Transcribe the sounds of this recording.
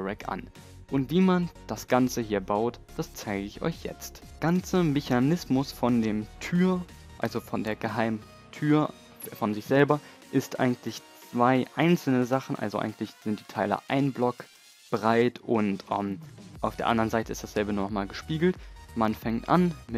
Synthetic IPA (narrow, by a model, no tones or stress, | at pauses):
ʁɛkʔa̰n | ʔʊntv̥iːmand̥asɡ̥ant͡səhiːɐbaʊtd̥ast͡saɪɡəɪçʔɔ̰ʏçjɛ̰t͡st | ɡ̥ant͡səmeçanɪsmʊsfɔndeːmtʰyːɐ | ʔa̰lzofɔndeːɐɡəɦaɪm | tʰyːɐ | fɔnzɪçz̥ɛlbɐ | ʔɪstʔa̰ɪɡŋ̩tʰlɪçt͡st͡sv̥aɪʔaɪnt͡sl̩nəzaχn̩ʔa̰lzoʔa̰ɪɡŋ̩tlɪçz̥ɪnt̚d̥iːtʰaɪlə̰ʔaɪnblɔk | b̥ʁaɪtʔʊntʔɛ̰mʔaʊfd̥eːɐʔa̰ndʁənzaɪtəɪ̰std̥asz̥ɛlbənuːnɔχmaːlɡəʃpiːɡl̩tmanfɛŋtʔa̰nmɪ